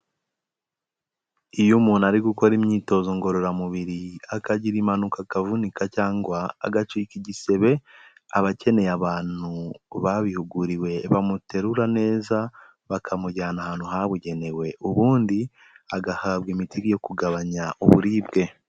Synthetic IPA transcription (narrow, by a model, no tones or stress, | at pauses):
ijumuːnaɾiɡuko̞ɾimɲiːto̞zoŋɡo̞ɾo̞ɾamuβiɾiakaɟiɾimanukakavunikacaːŋɡwa̰ːɡat͡ʃiːkiɟise̞βe̞aβace̞ne̞jaβaːnuβaβihuɡuɾiwe̞βamute̞ɾuɾane̞ːza | βakʰamuɟaːnahaːnhuɦaβuɟe̞ne̞we̞ʔuβuːndi | aɡahaβɡimitiɡijo̞kuɡaβaɲaʔṵβṵɾiːbɡe̞